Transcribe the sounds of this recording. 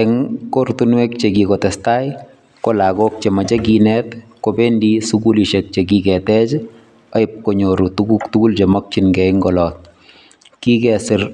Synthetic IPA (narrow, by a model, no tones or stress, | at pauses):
ɛŋkoɾt̪unwɛk̚t͡ʃeɡikɔtɛstaj | kolaɡok̚t͡ʃemat͡ʃeɡinɛt̪kobendisuɡuliʃɛk̚t͡ʃeɡikɛtɛt͡ʃ | ɔɪp̚koɲoɾutuɡukt̪uɡult͡ʃɛmɔk̚t͡ʃinɡɛɪŋɡɔlɔt̪̚ | kikɛsɪɾ